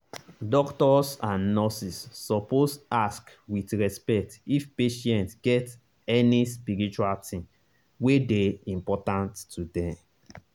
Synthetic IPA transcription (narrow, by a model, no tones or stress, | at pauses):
dɔktɔsãnnɔsisːɔposask | witɹɛspɛktifpeʃɛ̃ntɡ̥ɛt | ɛnispiɹit͡ʃualtʰĩn | wedeĩmpɔtãntːudɛ̃m